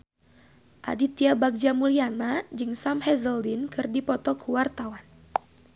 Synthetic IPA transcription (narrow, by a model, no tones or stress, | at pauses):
ʔa̰dit̪iabak̚d͡ʒamulianad͡ʒɨŋsamhɛzəldinkɨrdipɔt̪ɔkʰuwart̪awan